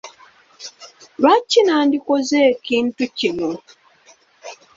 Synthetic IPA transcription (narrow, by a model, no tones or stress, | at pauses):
ɾwacːinaːndikozeːkiːntucino